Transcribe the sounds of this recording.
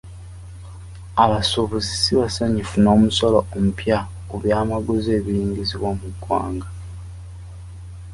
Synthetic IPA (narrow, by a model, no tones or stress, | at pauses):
aβasoβuzisiβasaɲifuno̞ːmuso̞loomupja | kuβjaːmaɡuze̞ːβiliːɲɟiziβwomuɡwa̰ːŋɡa